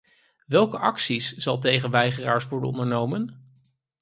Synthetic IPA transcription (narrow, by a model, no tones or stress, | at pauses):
ʋɛlˠkəʔɑksisz̥ɑlˠt̬ejχənʋɛjχəra̰ːɹsʋɔɹdə̰nɔ̰ndəɹnowmən